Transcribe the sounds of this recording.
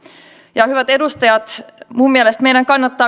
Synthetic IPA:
jɑhyvæt̪e̞d̪ust̪ɑjɑd̪̥muːmielest̪me̞jlɑŋkɑnːɑt̪ːɑː

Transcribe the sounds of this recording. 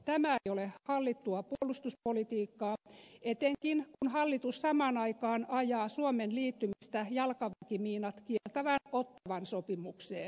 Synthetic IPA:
t̪æmæejolehɑlːit̪ːuɑpuolust̪uspolit̪iːkːɑːet̪eŋkinkunhɑlːit̪ussɑmɑːnɑikɑːnɑjɑːsuomenliːt̪ːymist̪æjɑlkɑʋækimiːnɑt̪kielt̪æʋænot̪ːɑʋɑnsopimuksḛːn

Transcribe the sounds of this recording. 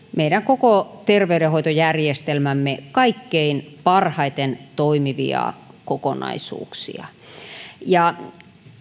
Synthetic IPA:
meiɾæŋkokot̪erʋeyɾehoit̪ojærjest̪elmæmːekɑikːeinpɑrhɑit̪ent̪oimiʋḭɑ̰kokonɑ̰isṵːksḭɑ̰ | jɑ

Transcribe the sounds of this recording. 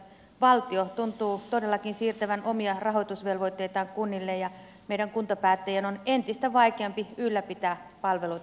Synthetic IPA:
ʋɑlt̪iot̪unt̪uːt̪odelːɑkinsiːrt̪æʋænomiɑrɑɦojt̪usʋelʋoit̪ːeit̪ɑːŋkunːilːejjɑ | meiɾæŋkunt̪ɑpæːt̪ːæjænonent̪ist̪æʋɑikeɑmpiylːæpit̪æːpɑlʋelut̪

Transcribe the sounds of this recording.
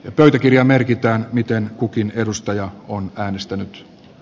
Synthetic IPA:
jɑpøyt̪ækirjɑmerkit̪æːnmit̪enkukine̞dust̪ɑjɑonæːnest̪ænyt̪

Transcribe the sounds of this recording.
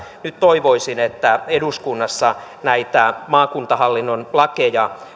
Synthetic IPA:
nyt̪t̪oiʋoisinet̪ːæeduskunːɑsːɑ | næit̪æmɑːkunt̪ɑhɑlːinːonlɑkejɑ

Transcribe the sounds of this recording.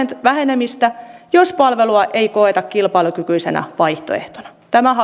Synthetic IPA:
ʋæɦe̞nemist̪æjospɑlʋe̞luɑʔeikoet̪ɑkkilpɑilukykyisḛnʔæ̰ʋɑjht̪o̰ḛht̪onɑt̪æmæɦɑ

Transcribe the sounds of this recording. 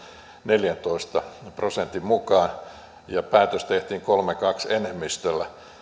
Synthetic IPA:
neljænt̪oist̪ɑprosent̪immukɑːn | jɑpæːt̪øst̪eht̪iːŋkolmekɑksenemːist̪ølːæ

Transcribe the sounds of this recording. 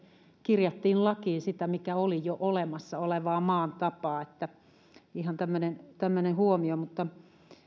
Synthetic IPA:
kirjɑt̪ːiːnlɑkiːnsit̪æmikæolijoʔolemɑsːɑoleʋɑːmɑːnt̪ɑpɑːet̪ːæ | ihɑnt̪æmːønent̪æmːønehuomiomut̪ːɑ

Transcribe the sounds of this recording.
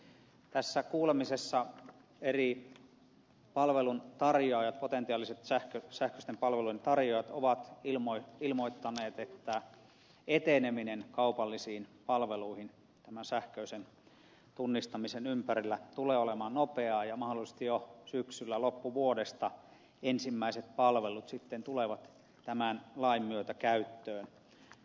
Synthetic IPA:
t̪æsːækuːlemisesːɑ | eri | pɑlʋelunt̪ɑrjoɑːˑjɑt̪̚pot̪ent̪iɑːliset̪sæhkøsæhkø̥st̪empɑlʋeluient̪ɑrjojɑt̪oʋɑt̪ilmoiilmoit̪ːɑneːt̪et̪ːæ | et̪eneminenkɑupɑlːisiːnpɑlʋeluihin | t̪æmænsæhkøysen | t̪unːist̪ɑmisenympærilːæt̪uleːolemɑːnnopeɑːjɑmɑhdolise̥s̆t̪ijosyksylːælopːuʋuodest̪ɑ | ensimːæiset̪̚pɑlʋelut̪sit̪ːent̪uleʋɑt̪ | t̪æmænlɑimːyøt̪ækæyt̪ːøːn

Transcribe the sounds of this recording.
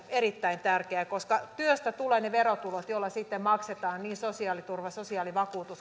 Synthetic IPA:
eɾit̪ːæint̪ærkeækoskɑt̪yøst̪æt̪uleːneʋerot̪ulot̪jolːɑsit̪ːemmɑkset̪ɑːnniːnsosiɑːlit̪urʋɑsosiɑːliʋɑkuːt̪us

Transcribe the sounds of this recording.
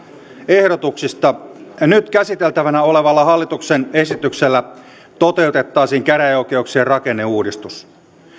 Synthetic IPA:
e̞hdo̞t̪uksist̪ɑnyt̪kæsit̪e̞lt̪æʋænæo̞leʋɑlːɑɦɑlːit̪uksene̞sit̪ykselːæ | t̪o̞t̪e̞ut̪e̞t̪ːɑːsiːŋkæɾæok̟e̞uksiːrrɑke̞nːe̞uːdist̪us

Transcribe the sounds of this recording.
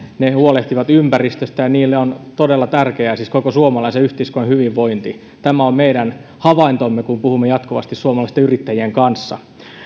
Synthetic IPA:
nehuoleht̪iʋɑt̪ympærist̪øst̪æjɑniːlːeont̪odelːɑt̪ærkeæsiskokosuomɑlɑiseyht̪eiskonhyʋiʋʋoint̪i | t̪æmæommeiɾæn | hɑʋɑint̪omːekumpuhumːejɑt̪koʋɑ̰st̪issuomɑlɑist̪eyrit̪ːæjieŋkɑnsːɑ̰

